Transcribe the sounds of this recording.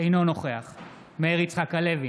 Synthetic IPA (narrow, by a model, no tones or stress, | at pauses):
ejno̞no̞χe̞aχ | meeʁit͡sχakhale̞vi